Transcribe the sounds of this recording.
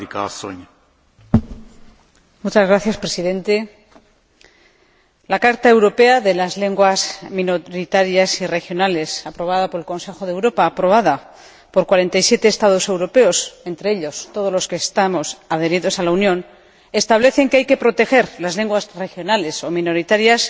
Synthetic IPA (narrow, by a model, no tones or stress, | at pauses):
ika̰so̰ɲa | mut͡ʃazɣɾaθjaspɾe̞siðẽ̞nt̪e̞ | lakaɾt̪aewɾo̞pe̞aðe̞lazle̞ŋɡwazmĩnoɾit̪aɾjasire̞xjo̞nale̞sapɾo̞β̞aðapo̞ɾelko̞nse̞xo̞ðewɾo̞paːpɾo̞β̞aða | po̞ɾkwaɾe̞nt̪ajsje̞t̪eːst̪að̞o̞se̞wɾo̞pe̞o̞se̞nt̪ɾe̞eʎo̞st̪o̞ð̞o̞zlo̞skeːst̪amo̞sað̞e̞ɾiðo̞salaunjõ̞n | e̞st̪aβ̞le̞θe̞ŋkeajke̞pɾo̞t̪e̞xe̞ɾlazle̞ŋɡwasre̞xjo̞nale̞so̞mĩno̞ɾit̪aɾjas